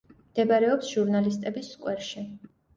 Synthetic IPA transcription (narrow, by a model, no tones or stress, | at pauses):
md̪̥ɛbaɾɛɔpsʒ̥uɾnalist̪ʼɛbisːkʼwɛɾʃi